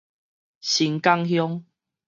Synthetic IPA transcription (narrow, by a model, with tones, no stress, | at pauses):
ɕi˨˦ŋka˦˧ŋɦjɔ˦ŋ